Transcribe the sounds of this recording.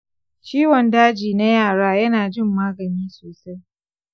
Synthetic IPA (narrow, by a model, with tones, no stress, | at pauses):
t͡ʃiː˦wɔ˨ndaː˦d͡ʒiː˨na˦jaː˦˨ɽaː˦jɐ˦naː˨d͡ʒɪ˦˨mːaː˦ɡɐ˨niː˦soː˨sa˦j